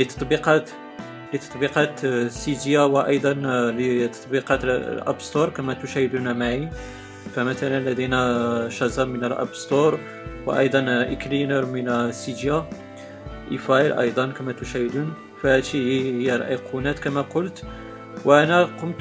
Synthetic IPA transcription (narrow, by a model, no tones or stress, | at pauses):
lət̪ɑ̥t̪ˤbiqɑ | lit̪ɑ̥t̪ˤbiqɑt̪sid̪jawəʔɑjd̪ˤɑnlət̪ɑ̥t̪ˤbiqɑt̪lʔæ̰bst̪oɾˤkæmæt̪ʊʃæhəd̪unæmaʕi | fæmæt̪ælənlːæd̪inæʃæzɑmənəlʔɑ̰bst̪oɾˤ | wə̰ʔɑ̰jd̪ˤɑnʔə̰klinəɾmənsid̪ja | ʔifɑjlʔɑ̰jd̪ˤɑnkæmæt̪ʊʃæhəd̪un | fæhæt̪iəjːæɾˤɑʔijqʰunæt̪kæmæqʊlt̪ | wʔænæqʊmt̪